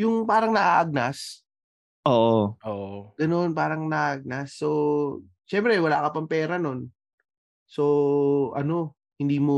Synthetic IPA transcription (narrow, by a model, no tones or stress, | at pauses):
jʊŋpaːɾɐŋnɐʔaʔɐɡ̚nas | ʔoːʔoʔoːʔoɡ̥ɐno̞npaːɾɐŋnɐʔaːʔaɡ̚nasːo̞ | ʃɛmpɾɛwɐlaːkɐpɐŋpɛːɾɐno̞n | so̞ʔɐ̰no̞ | hɪnd̪iːmo